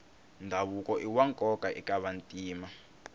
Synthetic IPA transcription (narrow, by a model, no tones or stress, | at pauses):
ndʱaβukʼɔʔiwaŋkʼɔkʼaʔikʼaβantʼiːma